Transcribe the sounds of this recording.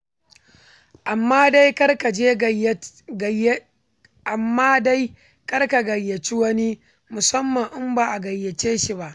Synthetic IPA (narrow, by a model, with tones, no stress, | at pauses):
ʔa˨mːaː˦da˦jkɐ˦rka˨d͡ʒeː˦˨ | ʔa˨mːaː˦da˦j | kɐ˦rka˨ɡɐ˨jːɐ˨t͡ʃi˦wɐ˦ni˦ | mʊ˨sɐ˦mːɐ˨ŋʔɪ˦mbaː˨ʔa˨ɡɐ˨jːɐ˨t͡ʃeː˦ʃi˨ba˦ʔ